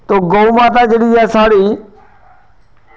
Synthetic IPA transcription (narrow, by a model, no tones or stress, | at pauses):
t̪oɡomãːt̪ad͡ʒeɗiːaːsaːɽiː